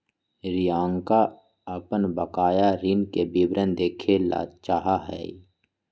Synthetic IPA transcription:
ɾijãːŋka | əpənbəkaːjaɾɪnkebibɾənd̪eːkʰela̰ːt͡ʃaːɦaɦɛ̰ː

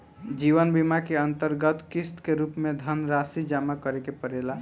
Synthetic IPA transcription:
d͡ʒiʋənbimakeənt̪əɾɡət̪kist̪keɾupmed̪ʱənɾasid͡ʒamakəɾekepəɾela

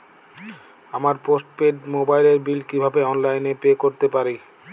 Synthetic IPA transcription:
amaɾposʈpeɖmobajleɾbilkibʱabeɔnlajnepekoɾt̪epaɾi

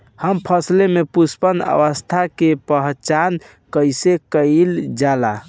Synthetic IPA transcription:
həmpʰəslemepuspənə̰ʋəst̪ʰakepəɦt͡ʃan | kəjsekəld͡ʒala

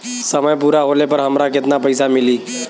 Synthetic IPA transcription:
səməjpuɾaɦolepəɾɦəmɾakɪt̪napəɪsamiliː

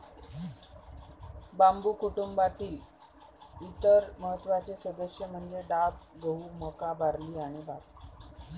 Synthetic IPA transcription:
bambukuʈumbat̪iː | it̪əɾməɦət̪ːʋat͡sesəd̪əsjəm̤əɳd͡zeɖab̚ɡəɦuməkabʱaɾliːaɽ̃ibʱat̪ː

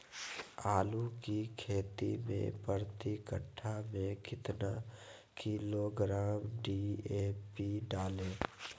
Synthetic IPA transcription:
aːlukikʰeːt̪ḭmḛ̃pəɾt̪ikəʈʰːamẽkɪt̪na̰ | kiloɡɾaːmɖieːpiɖaːlẽː

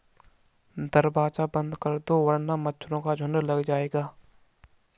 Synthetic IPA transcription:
d̪ɐɾbaːt͡ʃabə̃nd̪kəɾd̪oʋəɾnamɐtːʃʰɾõkad͡ʒʱʊnələɡd͡ʒaːeːɡaː

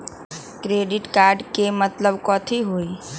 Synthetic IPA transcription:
kɾeːɖɪʈkaːɾɖkemət̪ləbkɔːt̪ʰiɦoːi

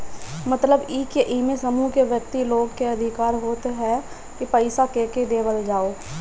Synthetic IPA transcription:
mət̪ləbiːkeʔiːmesəmukeʋjək̚t̪iloːɡkeɐd̪ʱɪkaːɾɦoːt̪eɦɛ | kipəɪsakeːked̪eːʋəld͡ʒaːoː

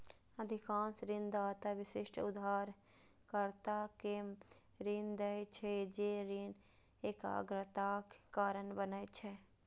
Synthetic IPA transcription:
əd̪ʱɪkãːnsɾɪnd̪aːt̪aʋɪsɪʃʈʰʊd̪ʱaːɾ | kəɾt̪ake | ɾind̪əjt͡ʃʰɛd͡ʒeɾin | eka̰ɡɾət̪akkaːɾənbənəjt͡ʃʰɛ

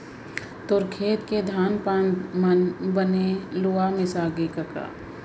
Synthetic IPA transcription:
t̪ʊɾkʰeːt̪ked̪ʱaːnpanməbəneluamɪ̃saːɡekəka̰ː

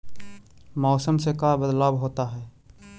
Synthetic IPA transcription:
mɔːsəmsekabəd̪laːbɦoːt̪aɦɛː

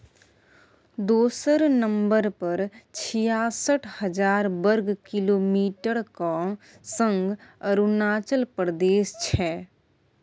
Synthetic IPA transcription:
d̪oːsəɾnə̃mbəɾpəɾt͡ʃʰijaːsəʈʰhəd͡ʒaːɾbəɾɡkɪloːmiːʈəɽka | sə̃ŋɡəɾunaːt͡ʃəlpɾd̪eːst͡ʃʰɛː

